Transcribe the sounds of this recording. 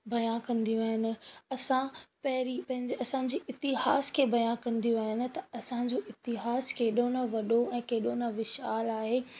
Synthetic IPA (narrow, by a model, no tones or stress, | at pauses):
bɐjãkɐ̃nd̪ijoaːɦɪnɪ̆ɐsãpɐɦɪɾipɐ̃ɦɪ̃ɲd͡ʑɐsãd͡ʑiʔɪt̪ɪɦaːskʰebɐjãkɐ̃nd̪ijoaɦɪnɪ̆t̪ɐɐsãd͡ʑoːʔɪt̪ɪɦaːskeːɗonaʋɐɗoɛ̃ːkeːɗonaʋɪʃaːlaːɦeː